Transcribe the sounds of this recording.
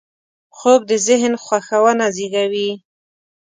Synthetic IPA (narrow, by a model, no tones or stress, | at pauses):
xob̚d̪əzɪɦnxwaxawənaziɡawi